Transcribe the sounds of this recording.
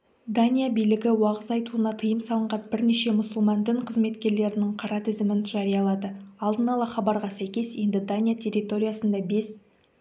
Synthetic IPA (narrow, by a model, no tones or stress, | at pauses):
d̪anʲijabijlɪɡʲɪwɑʁəzɑjt̪uənɑt̪ʰəjəmsɑlˠəɴʁɑnbɪɾneʃe̞mʊsʊlˠmɑnd̪ɪɴqʰəzme̞t̪kʲe̞ɾle̞ɾɪnɪŋqʰɑɾɑt̪ʰɪzɪmɪnʒɑɾijɑlˠɑd̪əɑlˠd̪ənɑlˠɑχɑbɑɾʁɑsæjkʲe̞sje̞nd̪ɪd̪anʲijatʲʰe̞ɾit̪o̞ɾʲijasənd̪ɑbe̞s